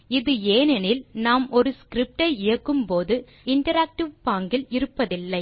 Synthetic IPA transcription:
ɪðɯeːnɛnɪlnaːmɔɾɯskɾɪp̚ʈɐɪɪjɐkːɯmpoːðɯ | ɪɳʈɐɾaːk̚ʈɪʋpaːŋɡɪlɪɾɯpːɐðɪlːɐɪ

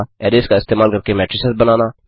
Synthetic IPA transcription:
ɛːɾeːskaɪst̪eːmaːlkəɾkemɛːʈɾɪsesbənaːnaː

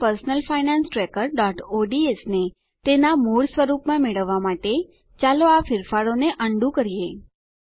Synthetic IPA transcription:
pəɾsnəlfainãnsʈɾekəɾɖɔʈoɖiesne | t̪enamuɭsʋəɾupmãmeɭəʋːamaʈe | t͡ʃaloafɪɾfaɾoneʔəɳɖũkəɾije

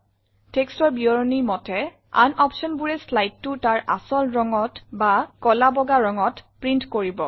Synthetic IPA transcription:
tekstɔɹbiɔɹɔniɹmɔtʰɛ | a̰nʔɔpʃɔnbuɹɛslajtːʊtaɹʔa̰sɔlɹɔŋɔtbakɔlabɔɡaɹɔŋɔtpɹintkoɹibɔ

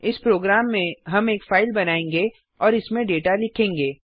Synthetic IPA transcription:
ɪspɾoːɡɾaːmːẽɦɐmeːkfaːɪlbɐnaːẽːŋɡe | ɔːɾɪsmẽɖeːʈalɪkʰẽːŋɡeː

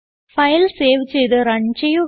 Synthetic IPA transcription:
fɐjlseːʋit͡ɕːejt̪ɨɾɐɳd͡ʑɐju

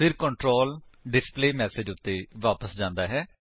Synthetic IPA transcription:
pʰɪɾkəɳʈɾoːlɖɪspleːmɛːsed͡ʒʊt̪ːeːʋaːpəsd͡ʒãːnd̪aːɦɛː

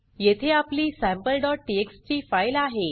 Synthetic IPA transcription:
jet̪ʰeapliːsæ̃mpəlɖɔʈ̚ʈiekst͡ɕiːfajlaɦe

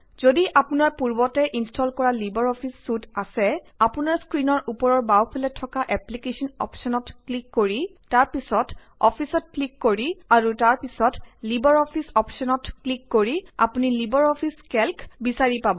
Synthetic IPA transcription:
zodiʔapunaɹpuɹbɔtɛʔinstɔlkɔɹalibɔɹɔpʰisːutasɛ | apunaɹskɹinɔɹʔupɔɹɔɹbawpʰɛlɛtʰːɔkaʔɛplikesɔnɔ̰psɔnɔtklikːoɹitaɹpisɔt | ɔpʰisɔt̚klikːoɹiaɹutaɹpisɔtlibɔɹɔpʰisɔpsɔnɔtklikːoɹia̰punilibɔɹɔpʰiskɛlkbisaɹipabɔ

